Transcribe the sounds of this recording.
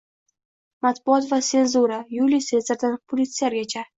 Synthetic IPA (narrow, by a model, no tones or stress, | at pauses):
mat̪bʊɒt̪vase̞nzuɾajulise̞nzeɾd̪anpʰolʲit̪sɨaɾɡʲat͡ʃʰa